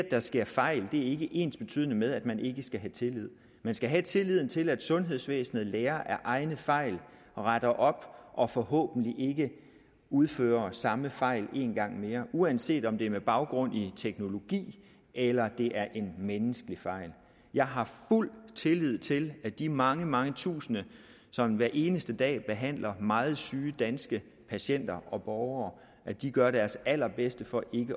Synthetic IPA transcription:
d̥ɑ̈sɡ̥e̝ɐ̰fɑ̈ɪ̰ld̥e̝æɐe̝ɡ̥əʔe̝̰ːnsb̥e̝t͡sʰy̰ð̰ˠnəmeðˠæd̥mænʔe̝ɡ̥əsɡ̥æɦæt͡sʰe̝lið̰ˠ | mænsɡ̥æɦæt͡sʰe̝liðˠn̩t͡sʰe̝læd̥sɔ̽nɦe̝ð̞̰ˠsʋḛːsn̩ð̩ˠleːɐʔæɐʔɑ̈ɪnəfɑ̈ɪ̰l | ʁaɾ̥ɐʔɒ̽b̥ʔɒ̽fɒ̽hɔ̰ːb̥n̩liʔe̝ɡ̥ə | uð̞ˠfø̰ːɐsɑ̈məfɑ̈ɪ̰le̝̰ːnɡ̥ɑ̈ŋ̰me̝ːɐʔuænse̝̰ːd̥ɒ̽md̥e̝æɐmeb̥ɑ̈ʊɡ̥ʁɔ̽n̰it͡sʰeɡ̥no̝lo̝ɡ̥ḭː | ʔelɐd̥e̝ʔæɐʔe̝nmenəsɡ̥əlifɑ̈ɪ̰l | jɑ̈ɪɦɑ̈ful̰t͡sʰe̝lið̞̰ˠt͡sʰe̝læd̥imɑ̈ŋəmɑ̈ŋət͡sʰṵːsənə | sɒ̽mʋæɐʔe̝ːnəsd̥əd̥ɛ̰ːb̥e̝ɦæn̰lʔɐmɑ̈ːð̞̩ˠsyːd̥ænsɡ̥ə | pʰæɕen̰d̥ɐʔɒ̽b̥ɒːʊɐː | ʔæd̥iɡ̥ɶɐɾ̥æɐsæl̰ɐb̥esd̥əfɒ̽ʔe̝ɡ̥ə

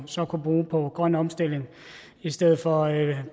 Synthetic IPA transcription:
sɒ̽kʰub̥ʁuːpʰɒ̽ɡ̥ʁɶn̰ɒ̽msd̥e̝l̰e̝ŋ | isd̥eð̰̩ˠfɒ̽

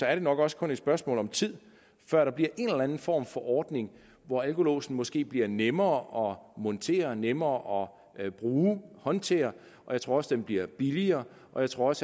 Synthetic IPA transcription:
sɒ̽æɐɾ̥e̝nɒ̽ɡ̥ɒ̽sə̥kʰɔ̽ne̝̥sb̥ɶɐsmɔ̰̽ːlɒ̽mt͡sʰið̰ˠ | fɶɐ̰ɾ̥ɑ̈b̥liɐʔe̝nlænn̩fɒ̰ːmfɒ̽ʔɒːd̥ne̝ŋ | ʋɒælkʰo̝lo̝̰ːsn̩mɒ̽sɡ̥e̝̰ːb̥liɐnemɐːʔɒ̽mɔ̽nt͡sʰe̝̰ːɐnemɐːʔɒ̽ | b̥ʁuːhɒ̽nt͡sʰe̝̰ːɐ | ʔɒ̽jɪt͡sʰʁo̝ɐɒ̽sd̥emb̥liɐ̰b̥iliɐː | ʔɒ̽jäɪt͡sʰʁo̝ɐɒ̽s

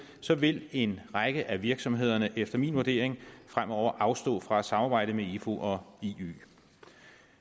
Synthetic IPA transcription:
sɒ̽ʋe̝le̝nʁɑɡ̥əʔæʋiɐɡ̥sɒ̽mɦe̝ð̞̰ˠɐnəʔefd̥ɐminʋuɐd̥e̝̰ɐ̰eŋfʁamɒʊ̰ɐʔɑ̈ʊsd̥ɔ̰̽ːfʁɑ̈æsɑ̈mɑːb̥ɑ̈ɪ̰d̥əmeifo̝ʔɒ̽iy̰ː

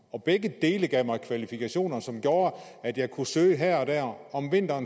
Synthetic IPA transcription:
ɒ̽b̥eɡ̥əd̥e̝ːləɡ̥ɛʊ̰mɑ̈ɪkʰʋælifikʰæɕo̝̰ːnɐsɒ̽mɡ̥jo̝ːɐ | æd̥jɑ̈ɪkʰusøːəɦæɐ̰ɒ̽d̥æɐ̰ɒ̽mʋe̝n̰d̥ɐːn

